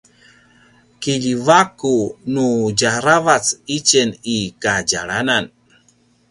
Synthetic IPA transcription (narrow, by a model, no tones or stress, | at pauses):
kiʎivakunud͡ʒaɾavat͡sit͡ʃenikad͡ʒaɭanan